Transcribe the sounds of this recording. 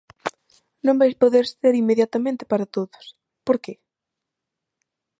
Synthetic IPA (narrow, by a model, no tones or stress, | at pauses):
nõmbajspoðeɾseɾimːeðjat̪amẽnt̪ɪ̥paɾat̪oðʊ̥s | poɾke